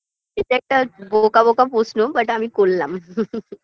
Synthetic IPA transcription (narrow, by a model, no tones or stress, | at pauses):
et̪ek̚ʈəbokabokapusʰnobəʈamiːkolːam